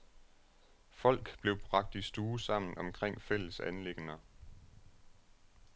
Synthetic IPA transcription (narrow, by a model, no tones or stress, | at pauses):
fɒ̽l̰ɡ̥b̥le̝ʊb̥ʁɑ̈ɡ̥̚d̥isd̥uːsɑ̈m̰n̩ɒ̽mkʰʁeŋ̰fel̰əsænle̝ɡ̥nɐ